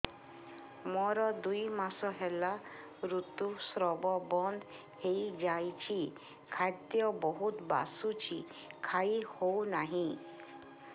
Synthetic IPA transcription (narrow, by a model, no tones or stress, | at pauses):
mɔɾɔd̪ujmasɔɦela | ɾut̪usɾɔbɔbɔnd̪ | hejd͡ʒajt͡ʃʰi | kʰad̪jɔbɔɦut̪ba̰sut͡ʃʰi | kʰaihownaɦĩ